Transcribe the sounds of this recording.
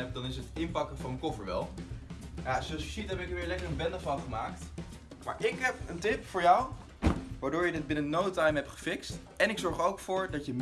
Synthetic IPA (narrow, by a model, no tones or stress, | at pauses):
ɛp̚dɑnɪsətɪnpɑkəvɑnəkofəɹʋɛ̰lˠ | jasoɑlˠsəsitɦɛpɪkʋɪːɹlɛkəɹənbɛndəfɑnˠχəmaːkt | ma̰ːɹʔɪkɦɛpəntɪpfʊːɹjaw | ʋaːɹdʊːɹjədɪd̚bɪnənowtajmɦɛptχə̥fɪkst | ɛnɪksɔɹχowkfʊːɹdɑtjəm